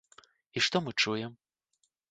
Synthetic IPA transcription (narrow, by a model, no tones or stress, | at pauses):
iʂt̪ɔmɨt͡ʂujɛm